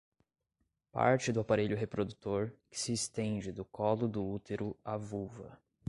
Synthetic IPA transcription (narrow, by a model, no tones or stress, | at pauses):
pa̰ɾt͡ʃɪd̪ʊapaɾeʎʊɦepɾod̪ut̪oɾkɪ̥sɪːst̪ẽd͡ʒɪd̪ʊkɔlʊd̪ʊut̪eɾʊavuvɐ